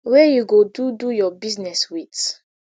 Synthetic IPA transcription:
wɛjuɡodudujɔbiznɛswit

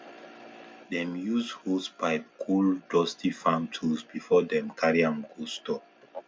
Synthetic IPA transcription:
dɛ̃mjuzdhospaɪp̚kʰuldɔstʰifãmtʰuzbifɔdɛ̃mkʰaɹiãmɡostɔ

